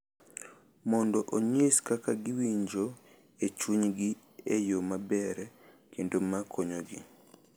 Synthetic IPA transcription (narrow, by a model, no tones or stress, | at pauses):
mɔndɔʔoɲiskakaɡɪwiɲd͡ʒo | et͡ʃuɲɡi | ejomabɛɾɛ | kʰendomakʰoɲoɡḭ